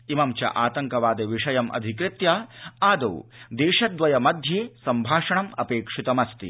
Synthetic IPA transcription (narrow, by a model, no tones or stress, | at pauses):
imɐmt͡ʃɐ̰ʔaːt̪ɐŋkɐʋaːd̪eʋiʂɐjɐmʔɐ̰d̪ʱikɾɪt̪jɐaːd̪ɐwd̪eːʂɐd̪ʋɐjɐmɐd̪ʱjeːsɐmbʱaːʂɐɳɐmɐpeːkʂit̪ɐmɐst̪ḭ